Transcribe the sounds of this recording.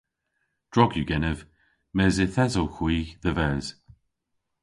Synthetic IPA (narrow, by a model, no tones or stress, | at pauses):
d̥ɹɔɡjuɡɛnəv | mɛːzɪθɛzɔlxwiːðəvɛːz̥